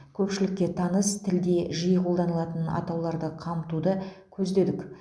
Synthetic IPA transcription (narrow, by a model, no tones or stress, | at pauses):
kʲʰɵpʃɪlɪkʲːe̞t̪ʰɑnəst̪ʰɪld̪e̞ʒəjəqʰo̞lˠd̪ɑnəlˠɑt̪ənɑ̰t̪ɑwlˠɑɾd̪əqʰɑmt̪ud̪əkʲʰɵzd̪e̞d̪ɪk